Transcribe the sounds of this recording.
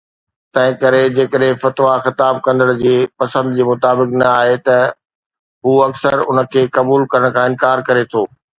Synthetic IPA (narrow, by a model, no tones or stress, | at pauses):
t̪ɐ̃ɦɪ̃kɐɾed͡ʑeːkəɗɦɪ̃fɐt̪ʋaxɪt̪aːb̚kɐ̃nd̪əɽ̃d͡ʑeːpɐsə̃nd̪d͡ʑeːmʊt̪aːbɪknɐaːɦet̪ɐ | ɦuːɐksəɾʊ̰nə̆kʰeːkɐbuːlkɐɾəɽ̃kʰãːɪ̃nkaːɾkɐɾet̪ʰoː